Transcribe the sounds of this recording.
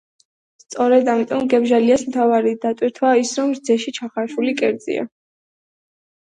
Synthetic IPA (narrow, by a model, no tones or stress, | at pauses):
st̪sʼɔɾɛd̪amit̪ʼɔmɡɛbʒaliasmt̪ʰavaɾid̪at̪ʼwiɾt̪ʰwaisɾɔmɾd̪zɛʃit͡ʃʰaχaʃulikʼɛɾd̪zḭa̰